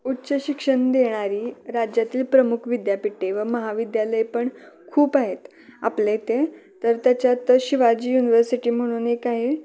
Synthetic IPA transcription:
utːɕəɕikʂəɳd̪eɽ̃aɾiːɾad͡ʑjat̪iːlpɾəmukʰʋid̪japiʈːeʋəməɦaʋid̪jaləjpəɳ | kʰuːpaɦet̪ | aplet̪et̪əɾt̪jat͡ɕjat̪əɕiʋad͡ʑiːjuniʋəɾsiʈiːm̤əɽ̃unekaɦe

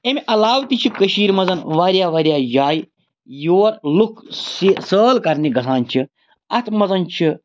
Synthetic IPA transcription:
emiʔɐlaːwt̪it͡ʃʰikɐʃiːɾmɐzɐnʋaːɾjaːʋaːɾijaːjaːj | joːɾlukʰsisəːlkɐɾniɡɐsʰaːnt͡ʃʰi | ɐt̪ʰmɐzɐnt͡ʃʰi

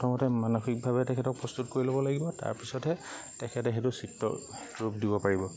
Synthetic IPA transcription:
tʰɔmɔtɛmanɔxʰik̚bʱabɛtɛkʰɛtɔk̚pɹɔst̪utkoɹilobɔlaɡibɔta̰ɹpisɔtɛ | tɛkʰɛtɛɦetʊsitːɔ̰ | ɹupdibɔpaɹibɔ

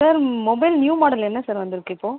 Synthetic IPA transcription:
saːɾmɔbɐɪlnjuːmaːɽɐlɛnːɐsaːɾʋɐnd̪ɪɾɯkːɪpːoː

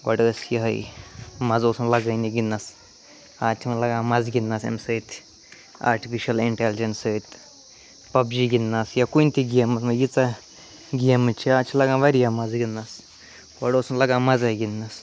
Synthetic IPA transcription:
ɡɔ̰ɽəːsjiɦɐ̰jmɐzoːsunlɐɡɐjniɡinːɐs | aːt̪ʲʰimɐlɐɡãːmɐzɡinːasḛmsət̪ʰ | a̰ːɾʈifiʃɐliɳʈeld͡ʒensəjt̪ | pɐbd͡ʒiɡinːaːsjɐkunʲt̪iɡiɐmɐsmɐjit͡sa | ɡiɐmɨt͡ʃʰiaːt͡ʃʰilɐɡãːʋɐɾjɐmɐzɡinːas | ɡɔɽoːsunlɐɡãːmɐzɐjɡinːas

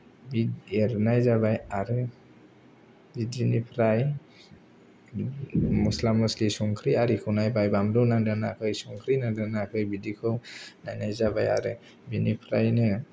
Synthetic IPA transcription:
bideɾnajzabajaɾɯ | bidinipʰɾaj | muslamɔslisɔŋkʰɾiaɾikʰuwnajbajbamdɔwnaŋdana̰kʰɯjsɔŋkʰɾinadanakʰɯjbidikʰɯwnajnajzabaja̰ɾɯ | binipʰɾajnɯ

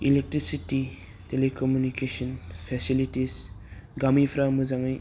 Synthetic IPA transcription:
ilek̚tɾisiti | telekɔmjunikesɔnpʰesilitisɡamipʰɾamuzaŋaj

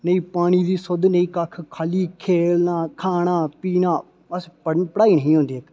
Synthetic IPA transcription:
nəĩːpaːɽ̃iːd̪iːsʊd̪nəĩːkəkʰkʰaːliːkʰeːlnaːkʰaːɽ̃aːpiːnaː | bəspəpəɽaːiːnəɦĩːɦõːnd̪iːek

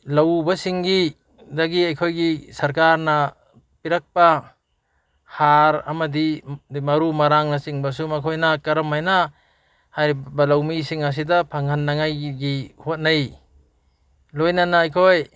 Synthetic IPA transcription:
lawbasiŋɡi | daɡiajkʰojɡisɐɾkaɾna | piɾak̚pa | haɾa̰mɐdimɐɾumaɾaŋnɐsiŋbas̬umakʰojnakɐɾɐmajna | hajɾibalawmisiŋas̬idapʰaŋanːaŋajɡihot̚naj | lojnanaːjkʰoj

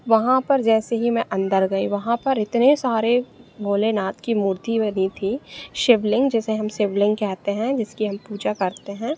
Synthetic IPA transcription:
ʋɐɦãpɐɾd͡ʒɛːseɦimɛ̃ʔɐ̃nd̪əɾɡɐiʋɐɦãpɐɾɪt̪nesaːɾebʱoːlenaːt̪kimuːɾt̪ibənit̪ʰiʃɪʋlɪ̃ŋɡd͡ʒɪseɦɐmʃɪʋlɪ̃ŋɡ̚kɛɦt̪eɦɛ̃d͡ʒɪskiɦɐmpuːd͡ʒakɐɾt̪eɦɛ̃ː

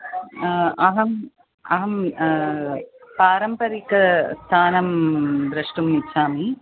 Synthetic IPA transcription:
ɐɦɐm | ɐɦɐm | paːɾɐmpɐɾikɐst̪ʰaːnɐmbɾɐʂʈumnit͡ʃʰːaːmi

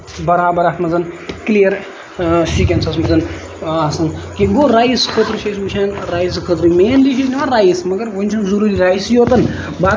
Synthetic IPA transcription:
bɐɾaːbɐɾaːt̪mɐzɐnklijɐɾ | ʃik̬ʲɐnsɐsmɐzɐn | asɐnkiɡoɾaːiskʰət̪ɾuʃɐsmut͡ʃʰʲaːnɾaːjis̬kʰət̪ɾɨmeːnliʃʰisnʲiʋaːɾaːjismɐɡɐɾʋonʲt͡ʃʰɐnzuɾuːɾiɾaːjsjoːt̪ɐn | baː

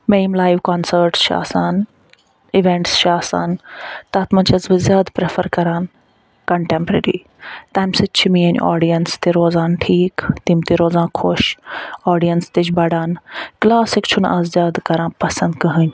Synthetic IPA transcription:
meːmlaːjʋkaːnsəɾʈsʃa̰ːsaːn | ɪʋẽɳʈsʃaːsa̰ːnt̪aːt̪mɐ̃nt͡ʃʰɐzbɨzʲjaːd̪pɾefəɾkɐɾaːn | kɐɳʈẽːmpɾeːɾḭː | t̪aːjmsɐt͡ʃʰimiɐn̰ʔa̰ːɖijɐnst̪iɾoːzaːnʈʰiːkt̪imt̪iɾoːzãːkʰoʃaːɖijɐnst̪it͡ʃʰbɐɖaːnklaːsɪkt͡ʃʰʊna̰ːzzjaːd̪kɐɾãːpɐsɐ̃nd̪kɐɦɨnʲ

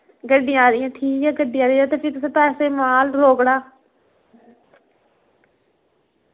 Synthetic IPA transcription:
ɡəɖːɪjããːɾɪːãːʈʰiːkɛːɡəɖɪjãːɾeːd͡ʒaːt̪eːpʰɪɾt̪ʊsẽːpɛːseːmaːlɾoːkɽaː

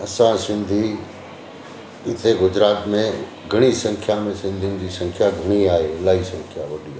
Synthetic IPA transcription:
ɐsãsɪ̃nd̪ʱi | ɪt̪ʰeɡʊd͡ʒɾaːt̪mẽ | ɡʱɐɽ̃isə̃ŋkʰjamẽsɪ̃nd̪ʱind͡ʑisɐ̃ŋkʰjaɡʱɐɽ̃iaːelaːisə̃ŋkʰjaʋɐɗi

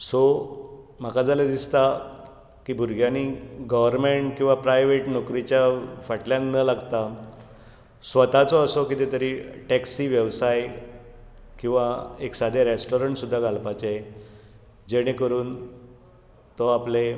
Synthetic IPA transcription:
so | m̤akad͡zaled̪ist̪a | kiːbʱuɾɡʱjaniːɡəʋəɾmeɳʈkĩw̃ʋapɾajʋeʈnɔkɾit͡ɕjafaʈljanːəlaɡt̪a | sʋət̪at͡sɔəsokit̪et̪əɾiːʈɛksiːʋjəʋsaj | kĩw̃ʋaeksad̪ʱeɾesʈoɾəɳʈsud̪ʱːaɡalpat͡ɕe | d͡ʑeɽ̃ẽkəɾuːn | t̪ɔaple

